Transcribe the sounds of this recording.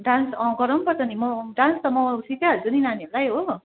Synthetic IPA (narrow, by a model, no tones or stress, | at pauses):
ɖãnsʌ̃ɡʌɾʌmpʌrt͡sʌnimʌɖãnst̪ʌmʌsʰikaɦʌɾud͡zuninaniolajɦo